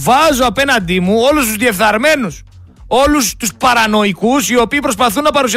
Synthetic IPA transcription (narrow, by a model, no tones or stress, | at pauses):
vɐzoɐpe̞nɐnd̪imuo̞lust̪uzðie̞fθɐɾme̞nus | o̞lust̪uspɐɾɐno̞ikusio̞piːpɾo̞spɐθunːɐpɐɾusi